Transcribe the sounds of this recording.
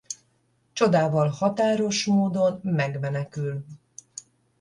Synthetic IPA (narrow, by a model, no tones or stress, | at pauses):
t͡ʃo̞d̪aːvɒlhɒt̪aːɾo̞ʃmoːd̪o̞nmɛɡmɛnɛkyl